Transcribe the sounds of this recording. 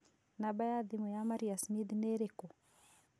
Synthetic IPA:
nabajadimujamaɾiasmid̪neɾeko

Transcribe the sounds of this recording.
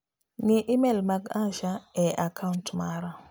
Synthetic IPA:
niʔimelmaɡãʃaɛʔakʰauntmaɾa

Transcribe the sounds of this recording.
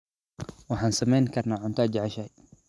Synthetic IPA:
waħansamɛjnkɐɾˤnaʕʊnt̪aːd͡ʒʕaʃaːj

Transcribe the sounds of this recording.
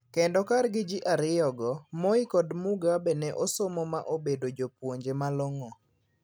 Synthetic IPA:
kendɔkarɡɪd͡ʒɪʔaɾɪjɔɡɔmɔɪkɔdmuɡabɛnɛʔosɔmɔmaʔobedod͡ʒopwoɲd͡ʒemaloŋɔ

